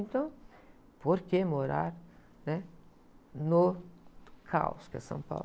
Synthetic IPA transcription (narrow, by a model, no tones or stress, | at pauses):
nt̪o | poɾkemoɾa̰ɾ | nɛ | no | kʰa̰ʊ̰skə̰sɐ̰̃ŋpa̰